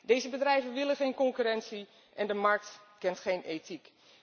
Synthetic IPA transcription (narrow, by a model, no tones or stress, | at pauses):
dejzəbədrɛjvənʋɪlənχejnkɔŋkyɾɛntsi | ʔɛndəmɑɹk̚tkɛntχejnejtik